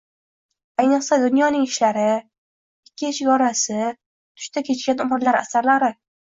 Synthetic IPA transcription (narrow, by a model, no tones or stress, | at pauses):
ajnɨqsad̪ʊnjɒnɪŋɪʃlaɾɪ | ɪkʲʰːɪʃɪɡɒɾasɪ | t̪ʰʊ̥ʃt̪ʰakʲʰe̞t͡ʃkʲanʊmɾlaɾa̰saɾlaɾɪ